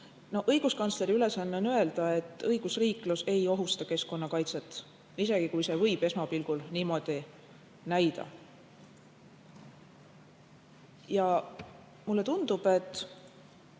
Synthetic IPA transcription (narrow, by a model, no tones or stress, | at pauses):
no̞hɤjɡ̥uskɑnsle̞ɾiyle̞sɑnːeo̞nye̞ld̪̥ɑe̞t̪ːˑɤjɡ̥usriːkluse̞jo̞ɦust̪ɑke̞sko̞nːɑkɑjt̪se̞t̪ːˑ | ise̞ɡ̥ikujse̞vɤ̞jb̥e̞smɑpilɡ̥ulniːmo̞d̪̥i | næjd̪ɑ̰ | jɑ | mulːe̞t̪und̪̥ub̥e̞t̪ːˑ